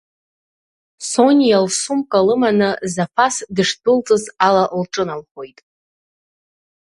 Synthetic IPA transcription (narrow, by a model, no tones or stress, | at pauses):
so̞nʲjalsumkʼalɨmanɨzapʰasdɨʂdɨlt͡sʼɨzalaʔlʈ͡ʂʼɨnalχʷojtʼ